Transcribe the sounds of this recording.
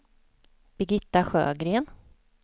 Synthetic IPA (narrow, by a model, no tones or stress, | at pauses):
b̥ɪɡɪt̪ːaɧø̰ːɡɾeːn